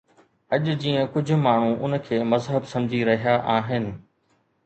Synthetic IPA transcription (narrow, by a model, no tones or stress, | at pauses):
ɐʄʊd͡ʑiːə̃kʊd͡ʑʱʊ̆maːɳ̤ũʊnə̆kʰeːmɐzɦəbsɐ̃md͡ʑʱiɾɐɦijaʔaːɦɪnɪ̆